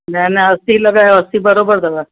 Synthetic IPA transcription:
mɛ̃ːneəsiləɡaːɦɛəsibəɾoːbəɾd̪əɡaː

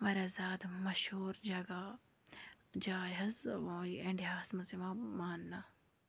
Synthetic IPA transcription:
ʋɐɾɐzaːd̪mɐʃhuːɾd͡ʒɐɡa | d͡ʒaːjɐzoːiɐɳɖijaːsmɐzimãmaːnːa

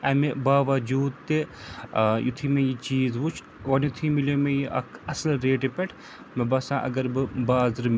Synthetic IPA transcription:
ɐmebaːʋɐd͡ʒuːd̪t̪e | jṵt̪ʰimẽjit͡ʃiːzʋut͡ʃʰ | oːnjut̪ʰimilomẽjiʔɐ̰kʰɐslɾeːʈepɛʈʰ | mebɐsãːʔɐ̰ɡɐɾbɨbaːzɨɾm

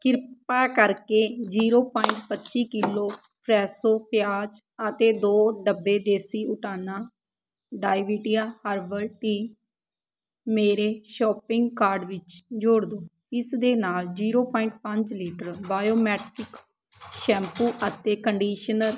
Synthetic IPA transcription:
kɪɾpaːkəɾkeːd͡ʒiːɾoːpaːɪɳʈ̚pətːʃiːkɪloː | pʰɾɛːsoːpjaːd͡ʒət̪eːd̪oːɖəbːeːd̪eːsiːʊʈʰaːnaː | ɖaːɪʋiːʈijaːhəɾbəlʈiː | meːɾeːʃɔːpɪŋɡkaːɾɖʋɪt͡ʃd͡ʒoːɽd̪oː | ɪsd̪eːnaːld͡ʒiːɾoːpɔːɪ̃ɳʈ̚pəɲd͡ʒliːʈəɾbaːjoːmɛːʈɪk | ʃɛ̃ːmpuːʔət̪eːkəɳɖiːʃənəɾ

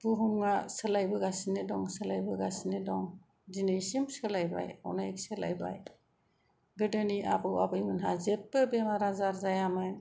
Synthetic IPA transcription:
buɦumŋasəlajbɯɡasinedɔŋsɯlajbɯɡasinedɔŋ | dinɯjsimsɯlajba̰ja̰wnajksela̰jba̰j | ɡɯdɯniabɯwabɯjmɯnɦazep̚ːɯbemaɾazaɾzajamɯn

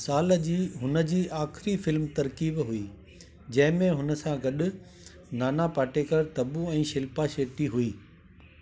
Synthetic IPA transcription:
saːld͡ʑiːɦʊnə̆d͡ʑiːʔaːxɪɾifɪlmt̪ɐɾkiːbɦʊiː | d͡ʑɐ̃ɦɪ̃mẽɦʊnə̆sãɡɐɗʊ̆ | naːnapaːʈeːkəɾt̪ɐbuɛ̃ːʃɪlpaʃeːʈiɦuiː

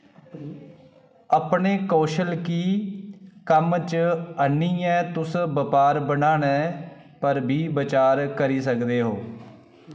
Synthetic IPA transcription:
əːpɳeːkoːʃəlkiː | kəmt͡ʃənːiːɛ̃ːt̪ʊsbəpaːɾbənãːɳɛ̃ː | pəɾbʱiːbət͡ʃaːɾkəɾiːsəkd̪eːɦoː

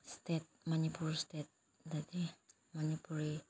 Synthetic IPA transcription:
st̪ɛt̪̚manipulst̪ɛt̪̚ | dad̪i | manipuli

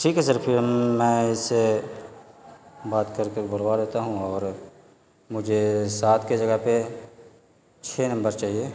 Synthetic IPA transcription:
ʈʰiːkɦɛsəɾfʰɪɾmɛ̃ːɪsːe | baːt̪kɐɾkebʊɾwaːd̪eːt̪aɦũɔːɾ | mʊd͡ʒʱesaːt̪ʰked͡ʒɐɡəpe | t͡ʃʰeːnɐ̃mbəɾt͡ʃaːɦieː

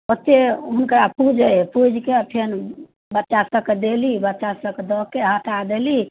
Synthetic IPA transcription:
ət̪ːeɦunkəɾapud͡ʒəpud͡ʒʱkeapʰen | bətːʃasəked̪elibət̪ːʃasəked̪ɔkːeɦat̪ʰad̪eli

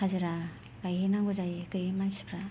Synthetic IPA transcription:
hazɯɾa | ɡ̥ajhenaŋɡozajkɯjemansi̥pʰɾa

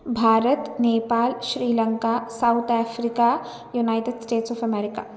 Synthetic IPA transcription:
bʱaːɾət̪neːpaːlʃɾiːlə̃ŋkasaʊt̪ʰɛːfʰɾika | junaːɪʈeɖsʈeːʈsɔːpʰɛmɛːɾɪka̰ː

